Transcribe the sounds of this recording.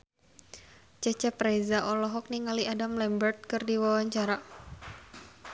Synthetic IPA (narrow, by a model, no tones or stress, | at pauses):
t͡ʃɛt͡ʃɛpɾɛzaʔɔlɔɦɔk̚niŋaliadamlɛmbərt̪̚kɨrdiwawaɲt͡ʃaɾa